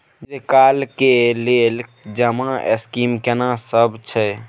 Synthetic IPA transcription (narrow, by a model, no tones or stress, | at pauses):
d͡ʒekaːlkeleːld͡ʒəmãʔḛskiːmkenãsəbt͡ʃʰɛ